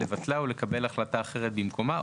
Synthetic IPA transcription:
evatlaule̞kabe̞laχlat̪aːχe̞ʁ̞et̪bimkʰo̞ma

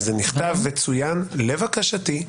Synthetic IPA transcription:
zeniχt̪avːet͡sujanle̞vakaʃati

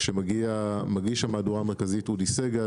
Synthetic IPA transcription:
ʃemaɡiamaɡiʃamaːduʁaːmeʁkazitudiseɡa

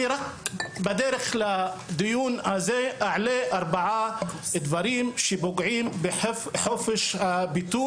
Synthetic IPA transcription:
ɾakbad̪eɾeχlad̪ijunhazeʔaʕleʔaɾbaʕad̪vaɾimʃeboɡʕimbeħfħofeʃhabit̪u

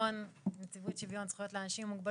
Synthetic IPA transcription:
onmet͡sivutʃivjont͡sχjo̞tleanaʃimmːuɡba

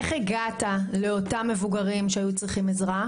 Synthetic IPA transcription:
eχeɡatale̞o̞tamːe̞vuɡaʁimʃeajut͡sʁiχimezʁa

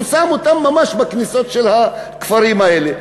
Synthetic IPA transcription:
samot̪amːamaʃbakniso̞t̪ʃelha | kfaɾimae̞le

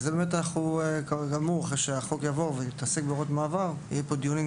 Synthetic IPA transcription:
zebemet̪anaχukaɡamuʁaχeʃeaχokjavo̞ʁveit̪asekbeoʁot̪maːvaʁḭjepo̞d̪ijuni

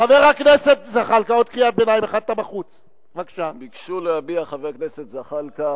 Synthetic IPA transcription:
χave̞ʁaknese̞t̪zaχalkao̞d̪̚kliat̪̚benajimaχad̚t̪abaχut͡s | vakʃabikʃuleabiaχaveʁakneset̪zaχalka

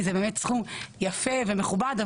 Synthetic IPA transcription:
zebeːmetsχujafevemeχubad̪a

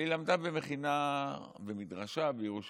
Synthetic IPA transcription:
ilamd̪abemeχina | bemidʁaʃabejeʁuʃ

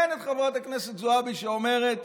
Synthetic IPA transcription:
enet̪χavʁat̪akneset̪zoabiʃeome̞ʁet̪

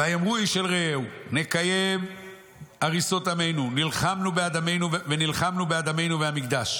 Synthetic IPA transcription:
vajemʁuiʃelʁeewne̞kaje̞m | aʁiso̞t̪ame̞jnunilχamnubead̪ame̞jnuvvenilχamnubead̪ame̞jnuvehamikd̪aʃ

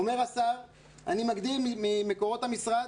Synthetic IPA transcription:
omeʁasaʁ | animaɡd̪ilmimime̞ko̞ʁo̞t̪hamisʁa

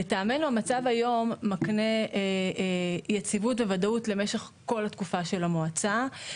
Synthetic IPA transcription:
etaːme̞nuamat͡savajo̞mːakne̞ | jet͡sivutvevadautle̞me̞ʃe̞χko̞lhatkufaʃe̞lamoat͡sa

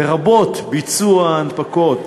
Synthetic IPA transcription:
eʁabo̞t̪bit͡suaːnpako̞t̪

